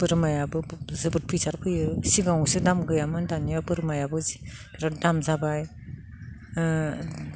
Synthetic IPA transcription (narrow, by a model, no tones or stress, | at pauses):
b̥ɯɾmajabɯzɯbɯt̚pʰɯjsaɾpʰɯjɯsiɡawsidamɡɯjamɯndanijabɯɾmajabɯzi̥taɾadamzabaj